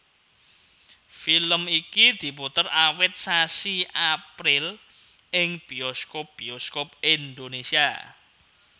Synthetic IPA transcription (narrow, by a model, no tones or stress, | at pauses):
filəmikid̪̥i̤put̪ərawɪt̪̚sasiʔapɾɪl | ɪŋb̥iɔskop̚b̥iɔskop̚ind̪onesia̰